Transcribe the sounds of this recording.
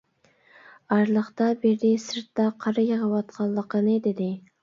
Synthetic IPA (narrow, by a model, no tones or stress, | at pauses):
ɑɾlˠəχt̪ɑbeɾd̪ɪsɨɾt̪ːɑqʰɑɾɑjəʁəwɑt̪̚qʰɑlˠːəqənɨd̪ɪd̪ɪ